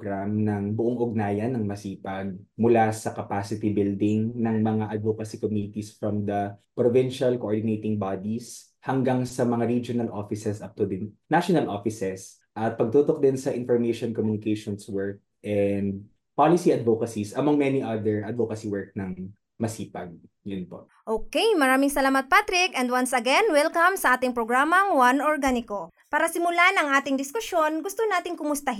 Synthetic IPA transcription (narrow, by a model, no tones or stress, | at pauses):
ɡɾamnɐŋbʊʔoŋʔʊɡ̚naːjɐnːɐŋmɐsiːpɐɡ̚mʊlasɐkɐpasɪt̪ibɪld̪ɪŋnɐŋmɐŋaʔɐd̪̚vokɐsikomjunɪt̪isfɹɔmd̪ɐpɾovɪnʃɐlkoʔoɹd̪ɪnejt̪ɪŋbad̪is | hɐŋɡaŋsɐmɐŋaɾid͡ʒonɐlʔofɪsɛsʔɐp̚t̪ʊd̪ɪnnaʃonɐlʔofɪsɛs | ʔɐt̪̚pɐɡ̚t̪ut̪ok̚d̪ɪnsɐʔɪnfɔɹmejʃɔnkomjunɪkejʃɔnswɛɹk̚ʔɛnd̪̚ | palɪsiɐd̪vokɐsisɐmɐŋmɛniʔad̪ɛɹʔɐd̪̚vokɐsiwɛɹk̚nɐŋ | mɐsiːpɐɡ̚ | jʊnpo̰ʔʔoːkejmɐɾaːmɪŋsɐlaːmɐt̪̚pat̪ɾɪkɛnd̪wɐ̃nsɐɡɛnwɛlkɐmsɐʔaːt̪ɪŋpɾoɡɹaːmɐŋwɐnʔoɹɡanɪko | paːɾɐsɪmʊlanɐŋʔaːt̪ɪŋd̪ɪskʊsjonɡʊst̪onaːt̪ɪŋkʊmʊst̪ɐɦ